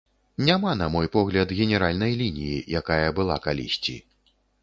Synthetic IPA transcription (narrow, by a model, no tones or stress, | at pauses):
nʲamanɐmɔjpɔɣlʲɐd̪ɣʲɛnʲɛɾalʲnɐjlʲinʲijijakajɐbɨlˠa̰kalʲḭsʲt͡sʲḭ